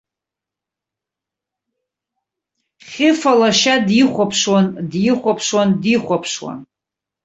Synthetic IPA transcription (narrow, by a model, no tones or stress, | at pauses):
χʲɪfalaʃadiχʷapʰʂwandjiχʷapʰʂwandiχʷapʰʂwa̰n